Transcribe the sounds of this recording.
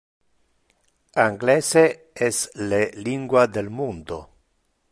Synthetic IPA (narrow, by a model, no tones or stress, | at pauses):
aŋɡlese | esleliŋɡwad̪elmund̪o